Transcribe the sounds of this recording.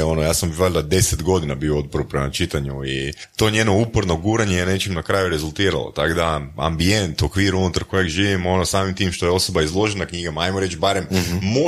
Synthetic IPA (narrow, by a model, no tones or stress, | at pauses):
o̞nojaːsamʋeʎd̪ad̪e̞set̪ɡo̞d̪inabioot̪̚poɾupɾemat͡ʃit̪aɲuit̪o̞ːɲe̞ːno̞upoɾno̞ɡuːɾaɲejene̞t͡ʃimnakɾaːjuɾe̞zulˠt̪iːɾa̰lˠo̰t̪akod̪aa̰mbie̞nt̪o̞kʋiːɾunut̪aɾkojeɡʒiːʋimo̞no̞saːmimt̪iːmʃt̪o̞jeo̞so̞baizlˠo̞ʒenakɲiɡamaajmoɾe̞t͡ʃbaɾe̞mmo